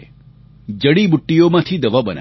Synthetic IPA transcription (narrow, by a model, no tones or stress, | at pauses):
d͡ʒəɽibʊʈːijomãt̪ʰid̪əʋabəna̰